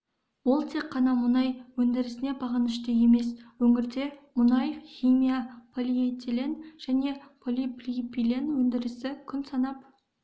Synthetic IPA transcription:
wʊlˠt̪ʰe̞qʰːɑnɑmʊnɑjwɵnd̪ɪɾɪsɪne̞bɑʁɑnɪʃt̪eje̞me̞swɵŋɪɾd̪e̞mʊnɑjχʲimʲijapʰolʲiejt̪ʰelʲenʒ̥æne̞pʰolʲiplʲipilenwɵnd̪ɪɾɪsɪkʲʰʏnsɑnɑp̚

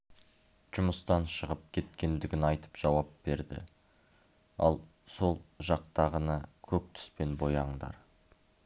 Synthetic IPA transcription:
ʒ̥ʊməst̪ɑnʃəʁəp̚kʲʰe̞t̪kʲe̞nd̪ɪɡʲɪnɑjt̪ə̥pʒ̥ɑwɑp̚b̥e̞ɾd̪ɪ̰ | ɑ̰lˠ | so̞lˠʒɑq̚t̪ɑʁənɑkʲʰɵk̚t̪ʰʏ̥spe̞nbo̞jɑɴd̪ɑ̰ɾ

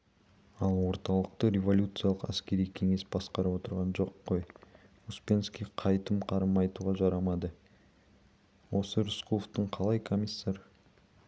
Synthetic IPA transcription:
ɑlˠwo̞ɾt̪ɑlˠəq̚t̪əɾʲe̞vo̞lʲjut̪sɨjɑlˠəqæ̰skʲe̞ɾijkʲʰe̞ŋe̞sbɑsqɑɾɑwo̞t̪əɾʁɑnʒo̞qːoj | uspʲe̞nskʲijqʰɑjt̪əmqʰɑɾəmɑjt̪uʁɑʒɑɾɑmɑd̪ə | wo̞səɾʊsqʰulˠoft̪əɴqʰɑlˠɑjkʰo̞mʲisːɑɾ

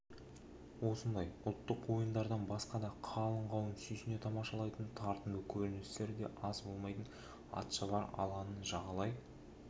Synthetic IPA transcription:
wo̞sənd̪ɑjʊlˠt̪ːəqwo̞jənd̪ɑɾd̪ɑnbɑsqɑd̪ɑqʰɑlˠəɴʁɑwənsʏjsɪne̞t̪ʰɑmɑʃɑlˠɑjt̪ənt̪ʰɑɾt̪əmd̪əkʲʰɵɾɪnɪst̪e̞ɾd̪e̞̰ʔɑzbo̞lˠmɑjt̪ən | ɑ̰t̪ʃɑbɑɾɑ̰lˠʁɑnənʒɑʁɑlˠɑj

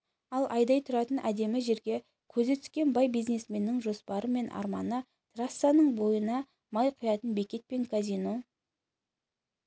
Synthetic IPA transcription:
ɑlˠʔɑjd̪ɑjt̪ʰʊɾɑt̪ənʔæd̪e̞mɪʒe̞ɾɡʲe̞ | kʲʰɵze̞t̪ʰʏ̥skʲe̞nbɑjbijzne̞sme̞nːɪŋʒo̞spɑɾəme̞nʔɑ̰ɾmɑnə | t̪rasːanəɴbo̞jənɑ | mɑjqʰʊjɑt̪ənbe̞kʲe̞t̪̚pe̞ŋkʰazʲijno̞

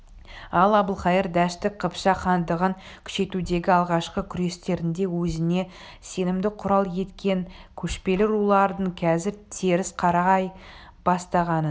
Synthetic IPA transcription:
ɑlˠɑbəlˠχɑjəɾd̪æʃt̪ɪk̚qʰəpʃɑχɑnd̪əʁəŋ | kʲʰʏ̥ʃe̞t̪ud̪e̞ɡʲɪɑlˠʁɑʃqəkʲʰʏɾe̞st̪e̞ɾɪnd̪e̞wɵzɪne̞ | se̞nɪmd̪ɪqʰʊɾɑlˠje̞t̪kʲe̞nkʲʰɵʃpe̞lɪɾulˠɑɾd̪əɴkʲʰæzɪɾt̪ʰeɾɪsqʰɑɾɑʁɑj | b̥ɑst̪ɑʁɑnə

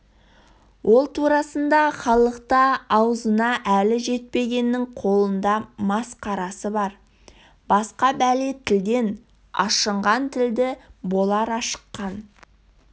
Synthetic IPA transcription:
wʔo̞lˠt̪ʰuɾɑsənd̪ɑχɑlˠəqt̪ɑɑwəzənɑʔælɪʒe̞t̪̚pe̞ɡʲe̞nːɪŋqʰo̞lˠənd̪ɑmɑsqɑɾɑsəbɑɾ | bɑsqɑbælet̪ʰɪld̪e̞n | ɑ̰ʃəɴʁɑnt̪ʰɪld̪ɪbo̞lˠɑɾɑʃə̥qːɑn

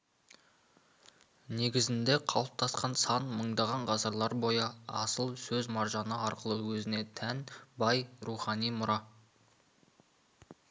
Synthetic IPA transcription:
ne̞ɡʲɪzɪnd̪e̞qʰɑlˠəp̚t̪ʰɑsqɑnsɑnməɴd̪ɑʁɑɴʁɑsəɾlˠɑɾbo̞jəɑ̰səlˠsɵzmɑɾʒɑnəɑɾqəlˠəwɵzɪne̞t̪ʰænbɑjɾuχɑnijmʊɾɑ

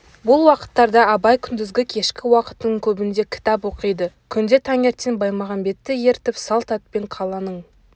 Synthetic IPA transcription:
bʊlˠwɑqə̥t̪ːɑɾd̪ɑɑbɑjkʲʰʏnd̪ɪzɡʲɪkʲʰe̞ʃkʲɪwɑqə̥t̪əəŋkʲʰɵbɪnd̪e̞kʲʰɪ̥t̪ɑpwo̞qijd̪əkʲʰʏnd̪e̞t̪ʰɑŋe̞ɾt̪ːenbɑjmɑʁɑnbe̞t̪ːɪjeɾt̪ɪpsɑlˠt̪ɑt̪̚pe̞ɴqʰɑlˠɑnəɴ

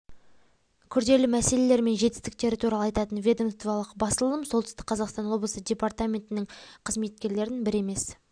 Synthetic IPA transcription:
kʲʰʏɾd̪e̞lɪmæse̞le̞le̞ɾme̞nʒe̞t̪ɪ̥st̪ɪk̚t̪e̞ɾɪt̪ʰuɾɑlˠəɑjt̪ɑt̪ənvʲe̞d̪o̞mst̪vɑlˠəqbɑsəlˠəmso̞lˠt̪ʏ̥st̪ɪ̥k̚qʰɑzɑqst̪ɑnwo̞blˠəsədʲe̞part̪amʲe̞nt̪ɪnɪŋqʰəzme̞t̪̚kʲe̞ɾle̞ɾɪnbɪɾe̞me̞s

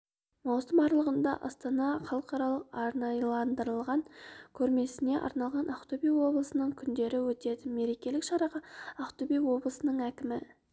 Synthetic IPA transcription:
mɑwsəmɑɾlˠəʁənd̪ɑ̰ʔɑ̰st̪ɑnɑχɑlˠəqɑɾɑlˠəqɑɾnɑjlˠɑnd̪əɾəlˠʁɑŋkʲʰɵɾme̞sɪne̞ʔɑ̰ɾnɑlˠʁɑnʔɑqt̪ubijwo̞blˠəsənəɴkʲʰʏnd̪e̞ɾɪwɵt̪e̞d̪ɪme̞ɾe̞kʲe̞lɪkʃɑɾɑʁɑɑqt̪ubijwo̞blˠəsənəɴækʲɪmɪ

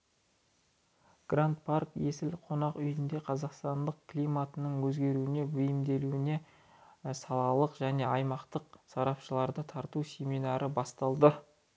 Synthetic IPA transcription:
ɡ̥rant̪̚parkje̞sɪlqʰo̞nɑqʏjɪnd̪e̞qʰɑzɑqst̪ɑnd̪əq̚kʲʰlʲijmat̪ənəɴwɵzɡʲe̞ɾuɪne̞bʏjɪmd̪e̞luwɪne̞ | sɑlˠɑlˠəqʒ̥æne̞ɑjmɑqt̪əqsɑɾɑpʃəlˠɑɾd̪ət̪ʰɑɾt̪usʲe̞mijnɑɾʔəbɑst̪ɑlˠd̪ə

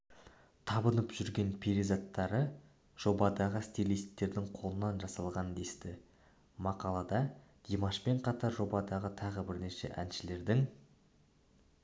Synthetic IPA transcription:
t̪ʰɑbənəpʒ̥ʏɾɡʲe̞npʰiɾizat̪ːɑɾə | ʒ̥o̞bɑd̪ɑʁəst̪ilˠijst̪ːe̞ɾd̪ɪŋqʰo̞lˠənːɑnʒɑsɑlˠʁɑnd̪e̞st̪ɪ | mɑqɑlˠɑd̪ɑd̪̥imɑʃpe̞ɴqʰɑt̪ɑɾʒo̞bɑd̪ɑʁət̪ʰɑʁəbɪɾneʃe̞̰ʔænʃɪle̞ɾd̪ɪŋ

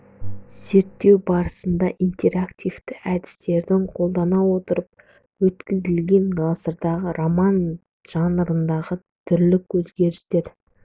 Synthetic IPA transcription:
z̥e̞ɾt̪ːe̞wbɑɾəsənd̪ɑʔijnt̪e̞ɾakt̪ʲijvt̪ɪʔæd̪ɪ̥st̪e̞ɾd̪ɪŋqʰo̞lˠd̪ɑnɑwo̞t̪əɾəp̚ | wɵt̪kʲɪzɪlɡʲe̞ŋɡɑsəɾd̪ɑʁəɾomɑn | ʒ̥ɑnəɾənd̪ɑʁə | t̪ʰʏɾlɪkwɵzɡʲe̞ɾɪst̪e̞ɾ

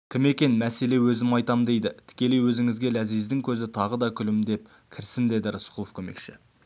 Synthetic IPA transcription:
kʲʰɪme̞kʲe̞nmæse̞le̞wɵzɪmɑjt̪ɑmd̪e̞jd̪ɪt̪ʰɪ̥kʲe̞le̞jwɵzɪŋɪzɡʲe̞læzijzd̪ɪŋkʲʰɵzɪt̪ʰɑʁəd̪ɑkʲʰʏlɪmd̪e̞p̚ | kʲʰɪɾsɪnd̪e̞d̪ɪɾəsqulˠofkʲʰɵme̞̰kʃɪ̰

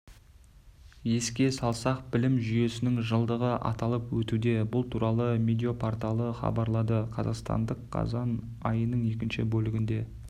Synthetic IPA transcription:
je̞skʲe̞sɑlˠsɑqbɪlɪmʒʏje̞sɪnɪŋʒəlˠd̪əʁəʔɑ̰t̪ɑlˠəpwɵt̪ud̪e̞bʊlˠt̪ʰuɾɑlˠəmʲid̪io̞pʰort̪ɑlˠəχɑ̰bɑɾlˠɑd̪əqʰɑzɑ̰qst̪ɑ̰nd̪əqʰːɑ̰zɑn | ɑ̰jənəɴje̞kʲɪnʃɪ̰bɵlɪɡʲɪnd̪e̞

